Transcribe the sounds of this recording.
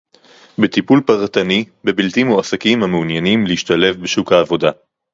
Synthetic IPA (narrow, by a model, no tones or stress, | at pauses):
bet̪ipulpaʁt̪ani | bebiltimhuasakimhameunjanimleiʃt̪ale̞fbeʃukhaːvo̞da